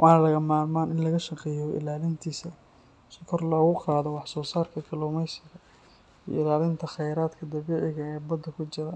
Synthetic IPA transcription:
wʔɑːnɐlɐɣɐmaːlmaːnɪnlɐɣɐʃɐqɛjɔɪ̰laːlɪnt̪ʰiːsɐ | sɪkʰɔrlɔːɣʊqɑːðɔwɑħsɔːsaːrkʰɐkʰɐluːmɛjsɪɣɐ | ḭɪlaːlɪnt̪ʰɐχɛjɾaːd̪kʰɐd̪ɐβɛːʕɪɣɐɛːbɐd̪ɐkʰʊt͡ʃɪɾa

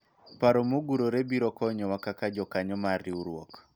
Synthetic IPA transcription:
paɾɔmoɡuɾoɾebiɾɔkɔɲɔwakakad͡ʒɔkaɲɔmariuɾwok

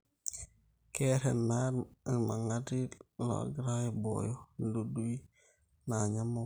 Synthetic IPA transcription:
kɛɾɛnːaɾmaŋadilo̰ɡɾajbo̰jonduduji | naɲamo

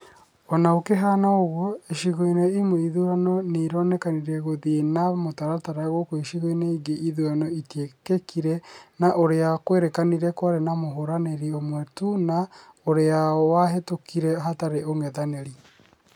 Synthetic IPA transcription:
ɔnaokeɦaːnaoɣwɔeʃiɣoineimoiðuɾanɔneiɾɔnɛkaniɾɛɣoðinamotaɾataɾaɣɔkoeʃiɣoeneiɡeʔiðuanɔitekekʰiɾɛnaʔoɾeakweɾekaniɾɛkwaɾenamoɦoɾaneɾiomwɛtunaoɾeawaɦetokiɾɛɦataɾeoŋɛðaneɾi

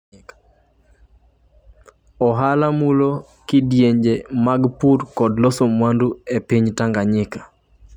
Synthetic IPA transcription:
ɔɦalamulo | kɪdjeɲd͡ʒemaɡpuɾkɔdlɔsomwanduepiɲtaŋɡaɲɪkḁ

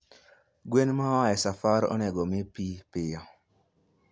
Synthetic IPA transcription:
ɡwenmaaɛsafaɾɔ̰nɛɡɔmɪpipɪjɔ

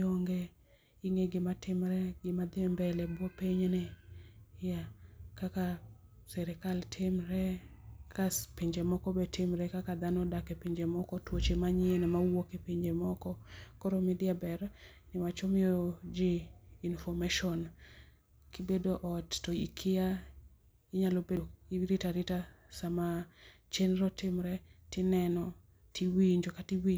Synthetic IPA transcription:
oŋɡe | iŋeɡɪmatɪmɾɛɡɪmad̪embɛlɛbwopiɲnɪ | jakakasɛɾɛkaltʰɪmɾɛkaspiɲd͡ʒemɔkɔbɛtɪmɾɛkakad̪anɔdakepiɲd͡ʒemɔkɔtwot͡ʃemaɲɪenɛmawokepiɲd͡ʒemɔkɔkɔɾomɪdɪabɛr | nɪwat͡ʃɔmɪjɔd͡ʒɪnfɔmaʃɔn | kibedoʔɔttɔikʰɪja | ɪɲalobeiɾitaɾɪtasama | t͡ʃenɾɔtɪmɾɛtɪnɛnɔ | tʰiwiɲd͡ʒokatiwi

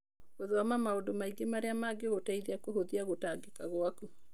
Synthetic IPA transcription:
ɣoðwamamaondomaiɡemaɾeamaɡeɣotaiðeakohoðiaɣotaɡekaɣwaku

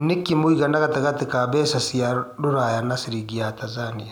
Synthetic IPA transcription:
nekimoiɣanaɣatekatekabɛsasiaɾuɾajanasiɾiɡiatazania

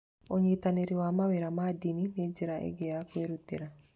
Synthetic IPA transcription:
oɲit̪aneɾiwamaweɾamaːd̪inined͡ʒiɾaʔḛɡejakweɾut̪ːiɾa

